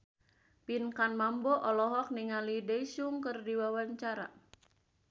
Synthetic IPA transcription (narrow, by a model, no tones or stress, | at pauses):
pinkanmambɔʔɔlɔɦɔk̚niŋalideisuŋkɨrdiwawaɲt͡ʃaɾa̰